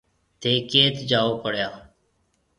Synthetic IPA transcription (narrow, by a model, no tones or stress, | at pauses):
t̪ʰeːkeːt̪d͡ʒaːoːpəɽ̤jaː